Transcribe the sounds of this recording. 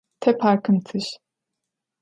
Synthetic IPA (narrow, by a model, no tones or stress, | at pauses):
t̪ʰɛpʰaɾkʰɯmt̪ʰɯʃ